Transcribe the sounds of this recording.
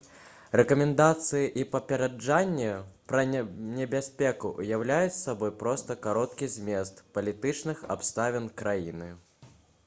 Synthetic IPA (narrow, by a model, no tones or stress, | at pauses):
rɛkɐmʲɛnd̪at̪sɨjiʔipɐpʲɛɾad͡ʐanʲːɛpɾɐnʲɛbʲasʲpʲɛkuʔujawlʲajut͡sʲsabɔjpɾɔst̪ɐkaɾɔt̪kʲizʲmʲɛst̪pɐlʲit̪ɨt͡ʂnɨxa̰pst̪avʲɛnkɾajḭnɨ